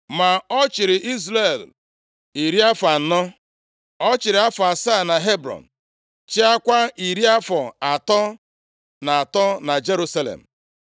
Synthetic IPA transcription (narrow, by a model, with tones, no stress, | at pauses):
ma˨ɔ˦t͡ʃɪ˨ɾɪ˨ʔi˦zɾe˨l | i˨ɾi˦a˦fa˨n̩˦nɔ˦ | ɔ˦t͡ʃɪ˨ɾɪ˨a˦fɔ˨a˨sa˦˨na˨ɦe˦bɾɔ̰˨n̩˨ | t͡ʃɪ˦a˦kʷa˦i˨ɾi˦a˦fɔ˨a˨tɔ˦ | na˨a˨tɔ˦na˨d͡ʒe˦ɾu˦sa˦lḛ˨m̩˨